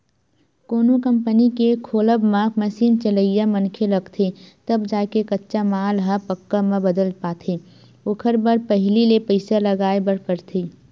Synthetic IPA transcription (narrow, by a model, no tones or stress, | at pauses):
koːnokə̃mpənikekʰoːləbmãməsiːnt͡ʃələijamənkʰeləɡt̪ʰet̪əbd͡ʒaːkekɐtːʃamaːlɦapəkːamẽbəd̪əlpaːt̪ʰeː | oːkʰəɾbəɾpəɦlilepəɪsaləɡaːebəɽkəɾt̪ʰeː